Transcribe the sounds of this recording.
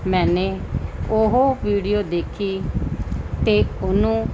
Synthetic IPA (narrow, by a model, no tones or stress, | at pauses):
mɛ̃ːneːʊɦoːʋiːɖioːd̪eːkʰiː | t̪eːʊnũː